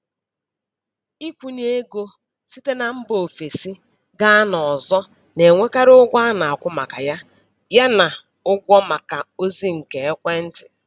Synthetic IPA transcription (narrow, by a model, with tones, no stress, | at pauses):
i˦kʷu˨n˦e˦ɡo˦ | si˦te˦na˨m̩˦bo˨fe˨si˦ | ɡa˦a˦nɔ˨zɔ˦ | ne˨ŋʷe˦ka˦ɾʊ˦ɡʷa˦na˨a˨kʷʊ˦ma˨ka˨ja˦ | ja˦na˨ | ʊ˦ɡʷɔ˦ma˨ka˨o˦zi˦ŋ̩˨ke˨e˦kʷe˦n̩˦tɪ˨